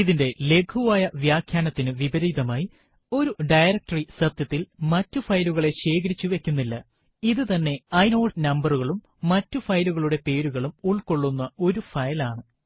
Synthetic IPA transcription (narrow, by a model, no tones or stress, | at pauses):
iðinde̞le̞ɡʰuʋaːjɐʋjaːkʰjaːnɐt̪ːinɨʋibɐɾijðɐmaːji | o̞ɾuɖɐjɾɐk̚ʈɐrisɐt̪jɐt̪ːilmɐtːufɐjluɣɐɭe̞ɕe̞ːkɐɾit͡ɕːuʋe̞kʲːunːilːɐ | iðɨt̪ɐnːe̞ɐjno̞ːɖnɐmbɐruɣɐɭumː | ɐtːufɐjluɣɐɭuɽe̞pe̞ːɾuɣɐɭumuɭko̞ɭːunːɐo̞ɾufɐjlaːɳɨ